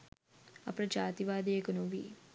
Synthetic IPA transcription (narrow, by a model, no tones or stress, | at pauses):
ɐpɾɐd͡ʒaːt̪iʋaːd̪eːkɐnuʋḭ